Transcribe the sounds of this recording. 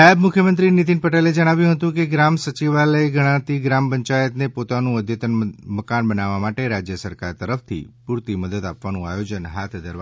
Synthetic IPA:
abmukʰjəmənt̪ɾinit̪inpəʈeled͡ʒəɽ̃aʋjũɦət̪ũkeɡɾamsət͡ʃiʋaləeɡəɽ̃ãt̪iɡɾampəɲt͡ʃajət̪nepot̪anũəd̪ʱjət̪ənməkanbənaʋamaʈeɾad͡ʒjəsəɾkaɾt̪əɾəft̪ʰḭpuɾt̪iməd̪ət̪apʋanũa̰jod͡ʒənɦat̪ʰd̪ʱəɾʋa

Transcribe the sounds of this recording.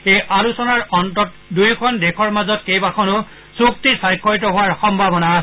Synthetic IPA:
ejʔalusɔnaɹɔntɔt̚ | dujkʰɔndɛkʰɔɹmazɔtkejbakʰɔnʊ | suk̚tisajkʰːɔɹitɔɦʊwaɹxɔmbʱabɔnas

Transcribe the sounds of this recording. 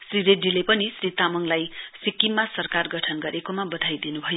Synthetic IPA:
sriɾeɖilepʌnisrit̪amʌŋlajsikːimːasʌrkarɡʌʈʰʌnɡʌɾekomabʌd̪ʱajd̪inubʱʌjo

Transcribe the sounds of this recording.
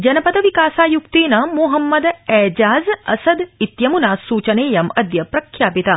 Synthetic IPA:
d͡ʒɐnɐpɐt̪ɐʋikaːsaːjukt̪eːnɐmuɦɐmːɐd̪ɛːd͡ʒaːzɐ̰sɐd̪it̪jɐmunaːsuːt͡ʃɐneːjɐmɐd̪jɐpɾɐkʰjaːpit̪a

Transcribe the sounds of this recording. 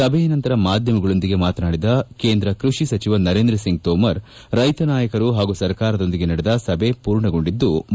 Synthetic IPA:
sɐbʱɛjɐnɐnt̪ɐɾɐmaːd̪ʱjɐmɐɡɐɭo̞nd̪iɡe̞maːt̪ɐnaːɽid̪ɐke̞ːnd̪ɾɐkɾuʂisɐt͡ʃiʋɐnɐɾeːnd̪ɾɐsiŋɡ̚t̪ɔːmɐɾ | ɾɐjt̪ɐnaːjɐkɐɾuɦaːɡusɐɾkaːɾɐd̪o̞nd̪iɡe̞nɐɽɛd̪ɐsɐbʱe̞puːɾɳɐɡo̞ɳɖid̪ːu

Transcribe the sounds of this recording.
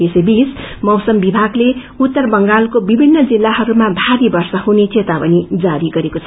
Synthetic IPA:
esebis | mʌwsʌmbibʱaɡle | ut̪ːʌrbʌŋɡalkobibʱinːʌd͡zilːaɦʌɾumabʱaɾibʌrsʌhunet͡set̪apʌnid͡zaɾiɡʌɾekot͡sʰʌ

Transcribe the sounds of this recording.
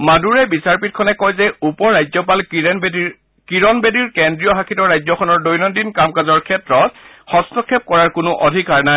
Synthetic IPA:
maduɹɛbisaɹpit̚kʰɔnɛkɔjzɛupɔɹajzɔpal | kiɹɔnbediɹkɛndɹijɔɦakʰitɔɹajzɔkʰɔnɔɹdojnɔndinkamkazɔɹkʰɛtɹɔt̚ | xɔstɔkʰːɛp̚kɔɹaɹkʊnʊʔɔdʱikaɹnaj

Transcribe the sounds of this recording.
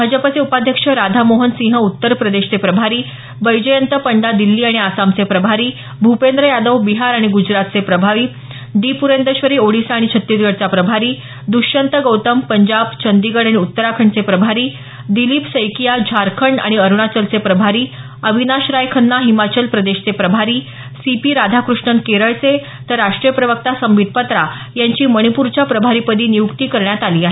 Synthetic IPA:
bʱad͡ʑəpat͡seupad̪ʱjəkʂəɾad̪ʱamoɦənsĩŋɦəut̪ːəɾpɾəd̪eɕt͡sepɾəbʱaɾiː | bəjd͡ʑəjənt̪əpəɳɖad̪ilːiːaɽ̃iasamt͡sepɾəbʱaɾiː | bʱupend̪ɾəjad̪əʋbiɦaɾaɽ̃iɡud͡ʑɾat̪̚t͡sepɾəbʱaʋiː | ɖ̪ipuɾend̪əɕʋəɾiːoɽisaːɽ̃it͡ɕʰət̪ːiɾɡəɽt͡sapɾəbʱaɾiː | d̪uʂənt̪əɡəwt̪əmpəɲd͡ʑabt͡ɕʰənd̪iɡəɽaɽ̃iut̪ːəɾakʰəɳt͡sepɾəbʱaɾiː | d̪ilipsəjkijad͡ʑʱaɾkʰəɳɖa̰ɽ̃iəɾuɳ̃at͡ɕəlt͡sepɾəbʱaɾiː | əbʱinaɕɾajkʰənːaɦimat͡ɕəlpɾəd̪eɕt͡sepɾəbʱaɾiː | sipiːɾad̪ʱakɾuʂɳənkeɾəɭt͡se | t̪əɾːaʂʈɾijəpɾəʋək̚t̪asəmʋid̪̚ʱpət̪ɾa | jaɲt͡ɕiːməɽ̃ipuɾt͡ɕapɾəbʱaɾiːpəd̪ʱiːnijukt̪iːkəɾɳjat̪aliːaɦee

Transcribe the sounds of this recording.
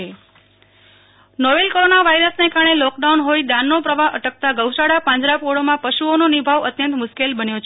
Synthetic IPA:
e | nɔʋelkoɾonaʋaiɾəsnekaɾəɳelɔk̚ɖaunɦoid̪ãnːopɾəʋaɦʔəʈək̚t̪aɡəwʃaɽapãɲd͡ʒɾapoɽomãpəʃuononibʱaʋət̪jənt̪mʊʃkelbənjot͡ʃʰ

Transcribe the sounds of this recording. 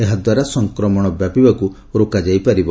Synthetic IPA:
eɦad̪waɾasɔŋkɾɔmɔɽ̃ɔbjapibaku | ɾokad͡ʒajpaɾibɔ

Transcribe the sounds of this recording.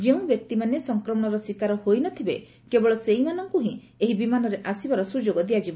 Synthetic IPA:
d͡ʒeũbjɔk̚t̪imanesɔŋkɾɔmɔɽ̃ɔɾɔswikaɾɔhojnɔt̪ʰibe | kebɔɭɔseimanɔŋkuɦĩ | eɦibimanɔɾeʔasibaɾɔsud͡ʒoɡɔd̪iad͡ʒibɔ

